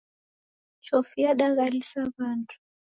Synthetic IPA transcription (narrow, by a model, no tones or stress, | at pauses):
t͡ʃɔfiaɗaɣalisaβantʰu̥